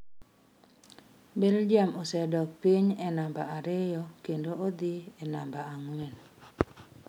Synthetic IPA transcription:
beld͡ʒiamɔsɛdɔk̚piɲɛnambaaɾɪjɔkendood̪iɛnambaaŋwɛn

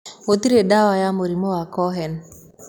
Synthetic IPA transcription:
wot̪iɾedawajamoɾimowakɔɦɛn

